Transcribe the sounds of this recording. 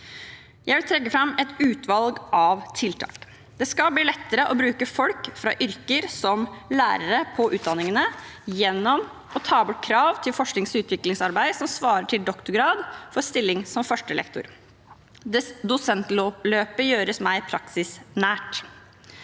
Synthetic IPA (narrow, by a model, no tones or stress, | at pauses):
jæɪʋɪlt̪ʰɾɛkːəfɾɑmːɛt̪ʉːt̪ʰʋɑlɡɑʋt̪ʰɪlt̪ʰɑ̰ːk | d̪ɛskɑlbliːlɛt̪ːəɾəʔɔbɾʉːkəfɔlkfɾɑ̰ːʔʏɾkəɾsɔmlæ̰ːɾəɾəpʰɔʔʉːt̪̚d̪ɑnːɪŋənəjɛnːɔm | ɔt̪ʰɑːbʊʈ̚ːkʰɾɑːʋt̪ʰɪlfɔʂknɪŋsʉːt̪ʰʋɪklɪŋsɑɾbæɪsɔmsʋɑːɾəʈʰɪld̪ɔkt̪ʊɾɡɾɑːd̪fɔɾst̪ɪlːɪŋsɔmfœʂʈəlɛ̰kt̪ʊ̰ɾ | d̪ʊsɛnt̪loːpløːpəjøːɾəsmæɪpʰɾɑksɪsnæːʈ